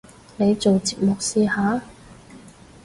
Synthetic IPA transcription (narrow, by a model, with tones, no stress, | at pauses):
ne˨˧jt͡so˨wt͡siː˨p̚mʊ˨k̚siː˧haː˨˧˥